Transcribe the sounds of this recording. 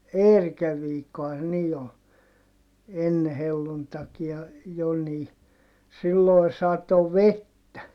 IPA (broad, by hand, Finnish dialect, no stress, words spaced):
eːrikæʋ ʋiːkːohɑn se niː ol enːe helːuntɑkiɑ jo niː silːoi̯ sɑto ʋetːæ